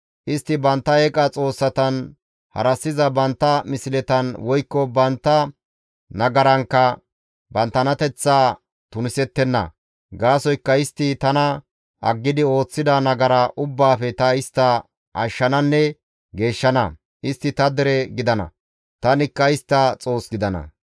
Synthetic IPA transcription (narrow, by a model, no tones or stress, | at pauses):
ʔɪst̪ːɪbɐnt̪ːɐɛkʼɐt͡sʼo̞ːsːɐt̪ɐn | hɐ̰ɾɐsːɪzɐbɐnt̪ːɐmɪsɪlɛt̪ɐnwɔjkːɔbɐnt̪ːɐ | nɐɡɐɾɐŋkːɐ | bɐnt̪ːɐnɐt̪ɛt͡sːaː | t̪ʊnɪsɛt̪ːɛnːɐ̰ | ɡaːsɔjkːɐɪst̪ːɪt̪ɐnɐ | ʔɐɡːɪd̪ɪo̞ːt͡sːɪd̪ɐnɐɡɐɾɐʔʊbːaːfɛt̪ɐɪst̪ːɐ | ʔɐʃːɐnɐnːɛ | ɡe̞ːʃːɐnɐ̰ | ɪst̪ːɪt̪ɐd̪ɛɾɛɡɪd̪ɐnɐ̰ | t̪ɐnɪkːɐɪst̪ːɐt͡sʼo̞ːsɡɪd̪ɐnɐ̰